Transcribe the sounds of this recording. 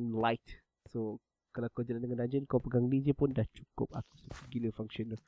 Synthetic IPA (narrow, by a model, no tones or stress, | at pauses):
nlajt | so | kalakəd͡ʒalandəŋãndad͡ʒənkapəɡaŋlid͡ʒəpʊndaht͡ʃu̥kʊ̰p̚a̰ku̥səkəɡiləfaŋʃɔnə